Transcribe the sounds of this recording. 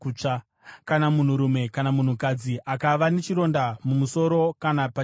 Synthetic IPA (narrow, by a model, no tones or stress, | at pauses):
ut͡ʂa | kanamun̤uɾume̞kanamun̤ukad͡ziʔakaʋane̞t͡ʃiɾo̞ndamumuso̞ɾo̞kanapa